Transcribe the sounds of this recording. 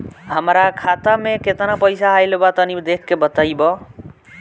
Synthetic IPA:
ɦəmɾakʰat̪ameket̪napəjsaɦajlebat̪ʌnid̪ekʰːebət̪ajbʌ

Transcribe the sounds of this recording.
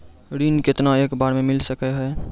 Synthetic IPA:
ɾiːnkɪt̪naeːkbaːɾmẽmɪlsəkɛɦɛ

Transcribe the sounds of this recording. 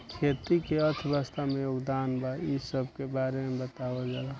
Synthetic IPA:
kʰeːt̪ikeət̪ʰbəst̪amẽjoːɡd̪aːnbaisəb̚ʱkebaːɾemebət̪aʋad͡ʒala

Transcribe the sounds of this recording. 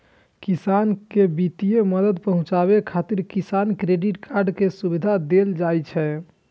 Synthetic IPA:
kisankebit̪ijeməd̪əd̪pəɦũt͡ʃaβekʰat̪iɾkisankɾeɖiʈkʰaɾɖkesubid̪ʱad̪eld͡ʒajt͡ʃʰɛ

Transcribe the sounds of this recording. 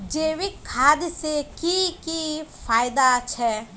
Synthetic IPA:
d͡ʒeːʋikʰːaːd̪sekikifaːjɪd̪at͡ʃʰɛː

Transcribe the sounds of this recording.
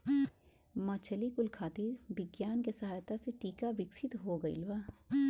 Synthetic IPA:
mãːt͡ʃəlikʊlkʰaːt̪iːɾbɪɡjaːnkesɐɦaːjt̪aseʈiːkaʋɪksɪt̪ɦoɡəɪ̰lʋaː

